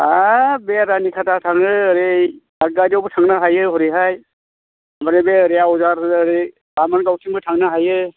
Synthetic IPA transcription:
abeɾanikʰatʰatʰaŋɯːɾe | aɡ̚ɡajdawbɯtʰaŋnaɦajɯɦɔɾiɦaj | amaɾebeɾijaɔzaɾɯɾe | amanɡawtʰiŋbɯtʰaŋnaɦajɯ

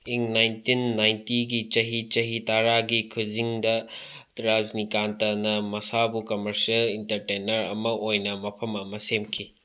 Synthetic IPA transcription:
iŋnajntinːajntiɡit͡ʃɐɦit͡ʃɐɦitaɾaɡikʰud͡ʒiŋdɐtɾad͡ʒnikantɐnɐmɐsabukɐmɐɾsɐlintɐɾtenɐɾɐ̰mɐʔojnɐmɐpʰɐmɐmɐsemkʰi

